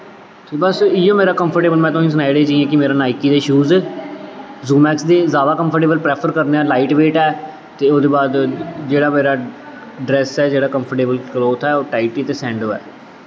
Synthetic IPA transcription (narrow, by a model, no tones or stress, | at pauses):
t̪ʰeːbəsijõːmeːɾaːkəmpʰəɾʈeːbəlmɛ̃ːt̪oĩs̬ənaːiɽeːd͡ʒiːẽːkɪmeːɾaːnaːɪkːiːd̪eːʃuːz | zũːmɛːksd̪eːzjaːd̪aːkəmpʰəɾʈeːbəlpɾɛːpʰəɾkəɾneaːlaːɪʈʋeːʈɛː | t̪eːoːd̪eːbaːd̪d͡ʒeːɽaːmeːɾaː | ɖɾɛːsɛːd͡ʒeːɽaːkəmpʰəɾʈeːbəlkloːt̪ʰɛːoːʈaːɪʈiːt̪eːsɛ̃ːɳɖoːɛ̰ː